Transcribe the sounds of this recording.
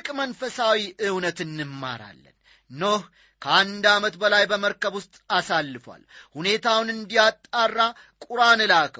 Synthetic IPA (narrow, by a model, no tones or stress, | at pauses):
kʼmənfəsawiʔɨwnət̪ɨnːɨmːa̰ɾa̰lːə̰n | noh | kʰəand̪amət̪bəlajbəməɾkəβwʊst̪ʼasalːɨfwa̰lhune̞t̪ʰawnɨnd̪ijat̪ʼːarːa | kʼuɾanɨlakʰə